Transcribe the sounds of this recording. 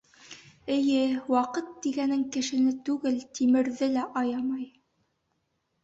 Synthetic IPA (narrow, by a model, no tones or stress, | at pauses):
ɘ̆jɘwɑqɤt̪̚d̪iɡænɘŋkɘ̆ʃɘ̆nɘt̪ʉɡɘlt̪imɘ̆ɾðɘlæʔɑjɑmɑj